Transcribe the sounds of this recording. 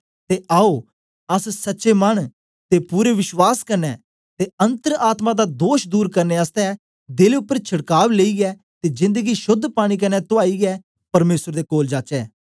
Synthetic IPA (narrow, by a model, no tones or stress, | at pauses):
t̪eːʔaːoː | əssətːʃeːməɳ | t̪eːpuːɾeʋɪʃwaːskəɾnɛː | t̪eːənt̪əɾaːt̪mad̪aːd̪oːʃd̪uːɾkəɾneːəst̪ɛ | d̪ɪleʊpːəɾt͡ʃʰəɽkaːʋleiːɡɛː | t̪eːd͡ʒɪ̃nd̪əɡiʃʊd̪ʱːpaːɽ̃iːk̬ənɛt̪ʊaːiːɡɛː | pəɾmeːsəɾd̪eːkoːld͡ʒaːt͡ʃɛː